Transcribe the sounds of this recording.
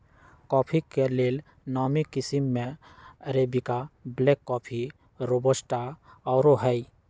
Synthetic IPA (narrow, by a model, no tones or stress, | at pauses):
kɔːpʰikeleːl | nɔːmikɪsimːeəɾebikableːkːɔːpʰi | ɾobəsʈaɔːɾoɦɛi